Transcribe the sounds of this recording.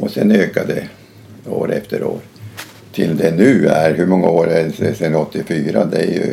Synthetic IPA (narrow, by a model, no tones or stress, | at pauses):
ɔsɛnøːkad̪ɛ | o̰ːɾɛ̰ft̪əɾo̰ːɾ | t̪ʰɪld̪ɛnʉ̟ːæɾɦɵmɔŋːaoːɾɛsɛsɛnɔt̪ːɪfyːɾad̪ɛæɾjɵ̰